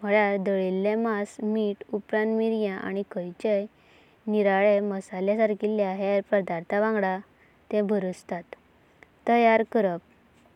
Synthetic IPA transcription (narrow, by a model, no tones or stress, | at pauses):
m̤əɭjaɾd̪əɭilːɛ̃masmiʈupɾãnt̪miɾjãʔa̰ñikəjt͡ɕej | niɾaɭeməsalãsaɾkʰiljaɦɛɾpəd̪aɾt̪ʰaʋãŋɡɽa | t̪ɛ̃bʱəɾut͡st̪at̪ː | əjaɾkəɾəp̚